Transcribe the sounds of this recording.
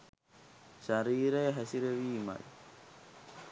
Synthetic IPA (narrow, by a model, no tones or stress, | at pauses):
ʃaɾiːɾejəɦæsiɾeʋiːma̰j